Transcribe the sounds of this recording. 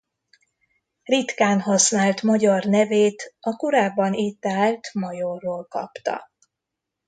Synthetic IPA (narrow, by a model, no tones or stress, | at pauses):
rit̪kaːnɦɒsnaːlt̪mɒɟɒrnɛveːt̪ɒkoɾaːbːɒnit̪aːlt̪mɒjorːoːlkɒ̰pt̪ɒ̰